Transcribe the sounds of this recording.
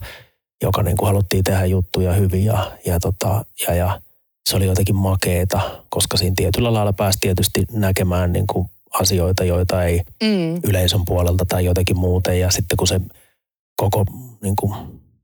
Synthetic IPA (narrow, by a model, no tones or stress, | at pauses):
jo̰kɑnḭːŋkuhɑlut̪ːiːt̪ehæjjut̪ːujɑhyʋijɑjɑt̪ot̪ɑjɑjɑ | seolijoit̪ɑkimmɑkeːt̪ɑkoskɑsiːnt̪iet̪ylːælɑilɑpæːst̪iet̪yst̪inækemæːnnḭːŋku | ɑsioit̪ɑjoit̪ɑeiyleisømpuolelt̪ɑt̪ɑijot̪ɑkimmuːt̪ejjɑsit̪ːekuse | kokoniːŋku